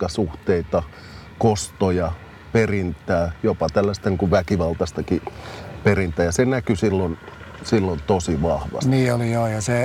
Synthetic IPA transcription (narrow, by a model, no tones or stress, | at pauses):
ɑsuht̪eit̪ɑ | kost̪ojɑ | perint̪æːjopɑt̪ælːæst̪ɑniŋkuʋʋækiʋɑlt̪ɑst̪ɑkiperint̪ˑæːjɑsenækysilːon | silːont̪osiʋɑhʋɑ̰sniːolijojɑse